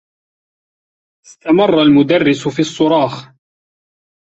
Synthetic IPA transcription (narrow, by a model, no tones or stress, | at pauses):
ɪst̪amɑrˤːɑlmʊd̪arːɪsʊfiːɑsˤːʊɾˤɑːx